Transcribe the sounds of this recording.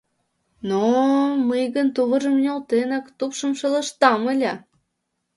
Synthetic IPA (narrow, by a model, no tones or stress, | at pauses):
noməjɣənt̪uβə̆ʒə̆mnʲolˠt̪enɑkt̪upʃəmʃɤlə̆ʃt̪ɑməlʲɑ